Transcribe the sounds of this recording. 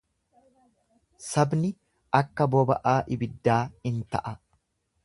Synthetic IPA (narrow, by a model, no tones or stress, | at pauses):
sɐbnɪ | ʔɐkːɐbɔbɐ̰ʔaːʔɪbɪd̪ːaːɪnt̪ɐ̰ʔɐ